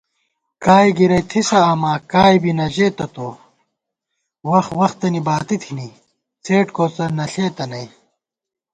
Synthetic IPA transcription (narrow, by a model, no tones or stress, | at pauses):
kaːjɡiɾɐjt̪ʰisɐːmaːkaːjbinɐʑeːt̪ɐt̪oː | wɐxwɐxt̪ɐnibaːt̪it̪ʰini | t͡sʰeːʈkoːt͡sɐnɐɬeːt̪ɐnɐj